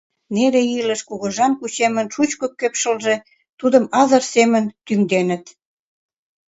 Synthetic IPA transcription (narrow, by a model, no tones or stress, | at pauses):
neleilə̆ʃkuɣə̆ʒɑmkut͡ɕemə̆nʃut͡ɕkokːøpʃəlʒe | t̪ud̪ə̆mɑzərsemə̆nt̪yŋd̪enə̆t̪